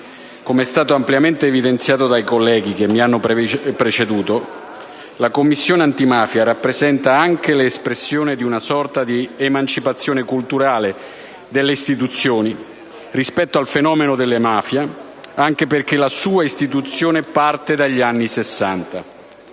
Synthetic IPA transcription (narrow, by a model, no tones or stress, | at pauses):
komeɛst̪aːt̪oampljament̪eːvid̪ent̪sjaːt̪od̪ajkolːɛːɡikemːianːoppɾet͡ʃed̪uːt̪o | lakomːisːjoːneant̪imaːfjaɾapːɾezɛnt̪aaŋkeleːspɾesːjoːned̪iunasɔrt̪ad̪iemant͡ʃipat̪sːjoːnekult̪uɾaːle | d̪elːeist̪it̪ut̪sːjoːni | rispɛt̪ːoalfenɔːmenod̪elːemaːfja | aŋk̟eperkelasuːaist̪it̪̬ut̪sːjoːnepart̪ed̪aʎːanːisesːant̪a